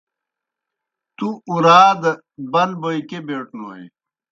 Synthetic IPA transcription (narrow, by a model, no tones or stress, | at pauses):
t̪uuɾaːd̪ | bɐnboːikebeːʈno̰ːḛ